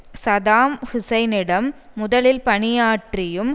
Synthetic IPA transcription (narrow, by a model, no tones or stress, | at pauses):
sɐðaːmhɪsɐɪnɪɽɐmː | ʊðɐlɪlpɐɳɪjaːʈrɪjɯm